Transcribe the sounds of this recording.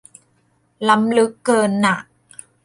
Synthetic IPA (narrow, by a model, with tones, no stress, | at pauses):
la˦˥mlɯ˦˥kːɤː˧nːa˨˩ʔ